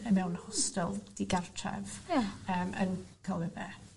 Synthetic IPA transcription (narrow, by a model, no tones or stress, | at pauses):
əmɛwnhɔstɪlˠd̥iɡartʰrɛ̰vəːmə̰nkʰalˠɛvɛ